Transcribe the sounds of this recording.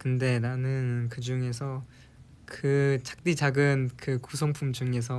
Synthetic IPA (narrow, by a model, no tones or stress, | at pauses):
kɯnde̞nanɯnkɯd͡ʑuŋe̞sʰʌ | kɯt͡ɕḁk̚t͈id͡ʑaɡɯnkɯkusʰʌŋpʰumd͡ʑuŋe̞s̬ʰʌ